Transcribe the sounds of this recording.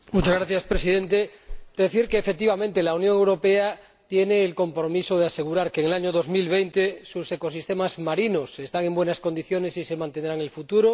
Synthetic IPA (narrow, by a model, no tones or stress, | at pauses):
mut͡ʃazɣɾaθjaspɾesiðẽ̞nt̪ed̪eðeθiɾkeːfek̚t̪iβamẽnt̪elaunjõŋewɾo̞pea | t̪je̞neːlko̞mpɾo̞misoð̞ease̞ɣuɾaɾkeːŋelaɲoð̞o̞zmilβ̞ejnt̪esuse̞ko̞sist̪e̞mazmaɾinose̞st̪aŋe̞mbwe̞nasko̞nd̪iθjone̞sise̞mãnt̪end̪ɾaŋe̞lfut̪uɾo